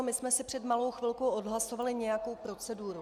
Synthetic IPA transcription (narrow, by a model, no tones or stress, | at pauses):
mɪsmɛsɪpr̝̥ɛdmalo̞wxvɪlko̞wʔodɦlaso̞valɪɲɛjako̞wpɾo̞t͡sɛduːɾu